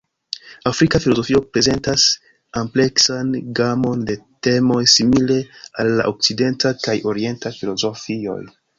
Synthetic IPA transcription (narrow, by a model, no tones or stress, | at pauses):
afɾikafilo̞zo̞fio̞pɾe̞ze̞ntas | ample̞ksanɡamo̞nde̞te̞mo̞jsimile̞alːa̰ʔok̚t͡side̞ntakajoɾie̞ntafilo̞zo̞fio̞̰j